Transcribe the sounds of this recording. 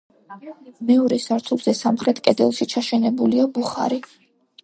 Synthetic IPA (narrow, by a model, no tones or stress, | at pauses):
mɛɔɾɛsaɾt̪ʰulˠz̥ɛsamχɾɛt̪ʰkʼɛd̪ɛlˠʃit͡ʃʰaʃɛnɛbuliabuχa̰ɾi